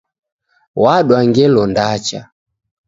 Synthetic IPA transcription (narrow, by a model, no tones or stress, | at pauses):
waɗwaŋɡɛlɔndat͡ʃa